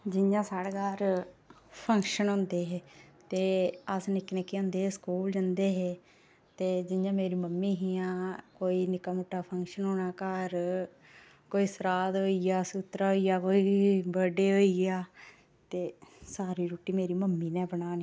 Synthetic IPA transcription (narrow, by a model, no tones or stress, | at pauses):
d͡ʒɪjãːsaːɽekaːɾ | pʰə̃ŋkʃənɦõːnd̪eːɦeːt̪eːəsnɪkneːkeə̃ːnd̪eːeskuːld͡ʒənd̪eːɦeː | t̪eːd͡ʒɪjãːmeːɾiːməmːiːɦijãːkoːiːnɪkəmʊʈːaːpʰəŋkʃənɦoːnaːkəɾ | koːiːsəɾaːd̪ɦoːijaːsut̪ɾaːɦoːijaːkoːiːbəɖeːɦoːiaː | t̪eːsaːɾiːɾoːʈiːmeːɾiːməmːiːnɛ̃ːbəɳaːni